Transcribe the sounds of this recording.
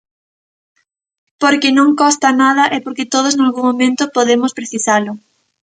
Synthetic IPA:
poɾkɪnõŋkɔst̪ɐnað̞ɐʔɛpoɾkɪt̪oð̞oznalɣuŋmomẽnt̪ʊpoðemʊspɾeθisalʊ

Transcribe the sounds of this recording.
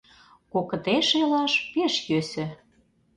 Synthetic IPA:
kokɤ̆t̪eʃelɑʃpeʃjøsɘ̆

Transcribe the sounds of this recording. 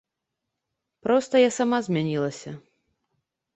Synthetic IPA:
pɾɔst̪ɐjasamazʲmʲanʲilˠɐsʲɐ

